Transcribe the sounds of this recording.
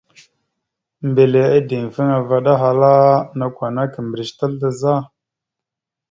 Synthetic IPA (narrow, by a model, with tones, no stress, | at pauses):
mbe˨le˨a˦di˨m˨fə˦ŋa˨va˦ɗa˦ɦa˨la˦na˨kʷa˨na˦kə˨mbɾi˨ʃta˦lda˨za˦˨